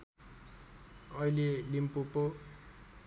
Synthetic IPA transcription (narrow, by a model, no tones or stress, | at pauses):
ʌilelimpupo